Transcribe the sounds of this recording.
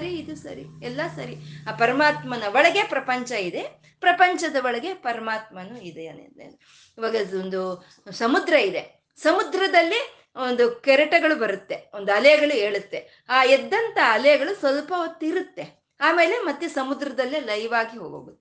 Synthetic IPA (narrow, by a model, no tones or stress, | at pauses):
ɐɾiːd̪usɐ̰ɾḭɛlːɐsɐɾiaːpɐɾɐmaːt̪mɐnɐʋɔɭɐɡe̞pɾɐpɐɲt͡ʃɐid̪e̞ | pɾɐpɐɲt͡ʃɐd̪ɐʋɐɭɐɡe̞pɐɾɐmaːt̪̚mɐnuid̪eɐn | iʋaːɡɐond̪u | sɐmud̪ɾɐid̪e | sɐmud̪ɾɐd̪ɐlːi | o̞nd̪ukɛɾɐʈɐɡɐɭubɐɾut̪ːe̞ond̪uɐlɛjɐɡɐɭueːɭut̪ːe̞ | aːɛd̪ːɐnt̪ɐɐlɛjɐɡɐɭusʋɐlpɐot̪ːiɾut̪ːe̞ | aːme̞ːle̞mɐt̪ːjusɐmud̪ɾɐd̪ɐlːilɐjʋaːɡiɦoːɡoːɡut̪ːe̥